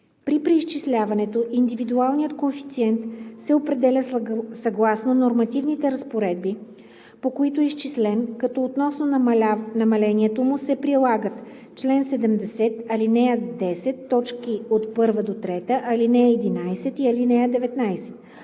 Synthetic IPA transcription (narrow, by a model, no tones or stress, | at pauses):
pɾipɾɛist͡ʃislʲavɐnɛt̪oʔind̪ivid̪ualˠnijət̪konfi̥t̪siɛnt̪sɛopɾɛd̪ɛlʲəsɐɡlˠasnonoɾmɐt̪ivnit̪ɛɾɐspoɾɛd̪̚bi | pokoit̪oɛist͡ʃislɛnkɐt̪ɔot̪nɔsnonɐmɐlɛniɛt̪omʊsɛpɾilˠaɡət̪ | t͡ʃlɛnsɛd̪ɛmd̪ɛsɛt̪ɐlinɛəd̪ɛsɛt̪ːɔt͡ʃkiot̪pɤɾvəd̪ot̪ɾɛt̪əʔɐlinɛɛd̪inajsɛt̪iɐlinɛəd̪ɛvɛt̪najsɛ̥t̪